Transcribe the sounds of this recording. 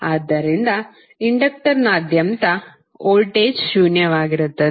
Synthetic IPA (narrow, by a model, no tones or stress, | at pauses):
aːd̪ːɐɾind̪ɐ | iɳɖɐk̚ʈɐɾnɐːd̪jɐmt̪ɐ | oːlʈeːd͡ʒʃuːnjɐʋaːɡiɾut̪ːɐ